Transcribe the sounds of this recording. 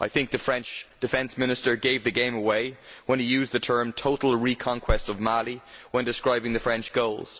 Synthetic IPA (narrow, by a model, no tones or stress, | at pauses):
ʔaɪθɪ̃ŋk̚ðəfɹɛ̃nt͡ʃd̥ɨfɛ̃nsmɪ̃nɨstə˞ɡeɪvðɨɡẽɪ̃məweɪwə̃nijʉːzðətʰɜ̃˞mtʰoʊɾl̩ˠɹikʰɑ̃ŋkʰw̥ɛstʌvmalˠiwə̃ndɪskɹaɪbɪ̃ŋðɨfɹɛ̃nt͡ʃɡ̥oʊlˠz̥